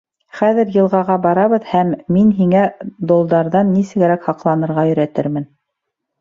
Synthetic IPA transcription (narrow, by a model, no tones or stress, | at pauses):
χæðɘ̆ɾjɤ̆lˠʁɑʁɑbɑɾɑβɤðhæmːinɦiŋæd̪ŏlˠd̪ɑɾðɑnːisɘ̆ɡɘ̆ɾækhɑqlˠɑnɤ̆ɾʁɑjɵ̆ɾæt̪ɘɾmɘn